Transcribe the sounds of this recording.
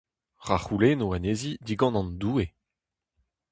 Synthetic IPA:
ʁaχulenowanezid̪iɡɑ̃nɑ̃nd̪uːe

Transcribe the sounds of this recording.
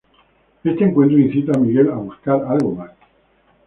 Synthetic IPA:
est̪eŋkwent̪̬ɾoĩnθit̪amiɣelaβuskaɾalɣomas

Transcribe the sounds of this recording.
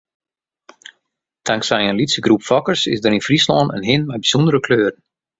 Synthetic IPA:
tʰaŋksɛjənlitsəɡrupfɔkərsɪ̰sdəɾinfrislɔːnə̰nɦɪnmɛjbiz̥ɔndəɾəkʰløːɾən̩

